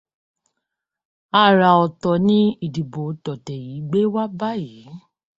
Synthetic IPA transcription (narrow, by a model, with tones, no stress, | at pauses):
a˦˨ɾa˨ɔ˨tɔ˨nĩ˨˦i˦˨di˨bo˨˦tɔ˨tɛ˨ji˨˦ɡ͡be˦wa˦ba˦ji˨˦